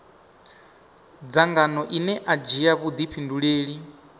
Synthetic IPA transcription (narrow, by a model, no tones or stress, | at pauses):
d͡zaŋɡanɔʔinɛʔad͡ʒiaβud̪ipɸʰinduɺeːɺi